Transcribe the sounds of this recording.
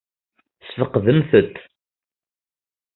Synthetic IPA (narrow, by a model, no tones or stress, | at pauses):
sfəqːðəmθət̪ː